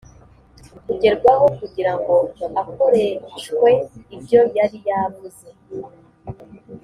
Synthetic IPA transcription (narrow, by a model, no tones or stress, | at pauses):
kuɟe̞ɾɡwaɦo̞kuɟiɾaŋɡo̞akoɾeʃkwe̞ibɟo̞jaɾijaβuze̞